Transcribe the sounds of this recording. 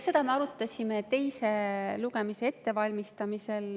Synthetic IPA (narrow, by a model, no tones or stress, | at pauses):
se̞d̪̥ɑme̞ɑɾut̪ːˑɑsʲimet̪e̞jseluɡ̥emise̞e̞t̪ːe̞vɑlʲmist̪ɑmise̞l